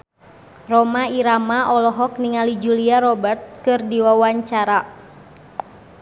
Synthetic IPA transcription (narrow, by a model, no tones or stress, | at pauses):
rɔmaiɾamaʔɔlɔɦɔk̚niŋalid͡ʒuliarɔbərt̪̚kɨrdiwawaɲt͡ʃaɾa